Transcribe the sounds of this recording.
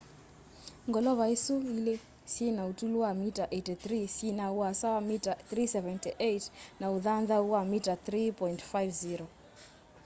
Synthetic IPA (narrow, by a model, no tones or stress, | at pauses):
ŋɡɔlɔvaisuile | sinautuluamitaʔetiθrisinauasawamitaθrisɛvɛntiʔejtnauðanðauamitaθɾipɔintfajvziɾo